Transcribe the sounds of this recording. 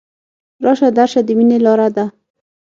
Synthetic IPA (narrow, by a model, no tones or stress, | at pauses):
ɾɑʃad̪aɾʃad̪əminelɑɾad̪a